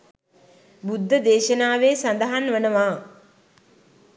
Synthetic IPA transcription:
bud̪ʱːəd̪eːʃənaːʋeːsand̪əɦanʋənəʋaː

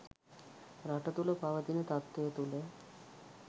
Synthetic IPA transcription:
ɾaʈət̪uləpaʋət̪inət̪at̪ːejət̪ule

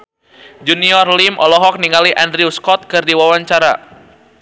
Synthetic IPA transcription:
d͡ʒuniɔrlimʔɔlɔɦɔk̚niŋaliʔandɾiuskɔt̪̚kɨrdiwawaɲt͡ʃaɾa̰

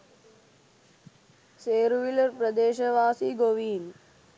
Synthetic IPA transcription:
seːɾʋiləɾpɾəd̪eːʃəʋaːsiːɡoʋiːn

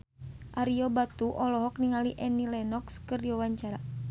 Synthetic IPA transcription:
ʔaɾiɔbat̪uʔɔlɔɦɔk̚niŋaliʔɛnilɛnɔkskɨrdiwawaɲt͡ʃaɾa

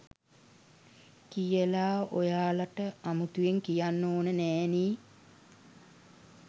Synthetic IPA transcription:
kijəlaːojaːlaʈəamut̪ujeŋkijanːoːnənɛːniː

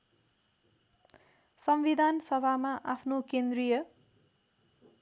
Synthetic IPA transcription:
sʌmbid̪ʱansʌbʱamaʔapʰnokend̪rijʌ

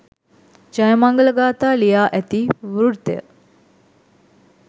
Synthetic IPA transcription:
d͡ʒajəmaŋɡələɡaːt̪aːlijaːʔæt̪iʋuɾuɽt̪ḛjə̰

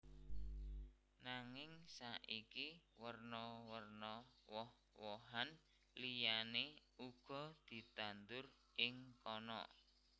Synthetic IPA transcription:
naŋɪŋsaʔikiwərnɔwərnɔwɔh | wɔɦan | lijane | uɡ̥ɔ̤d̪̥i̤t̪and̪ʊr | ʔɪŋkɔnɔ̰

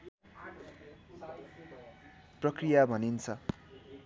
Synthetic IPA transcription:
prʌkrijabʱʌnint͡sʰʌ

